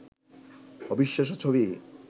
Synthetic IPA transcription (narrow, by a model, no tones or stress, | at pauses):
ɔbiʃːaʃ̬ot͡ɕʰoβi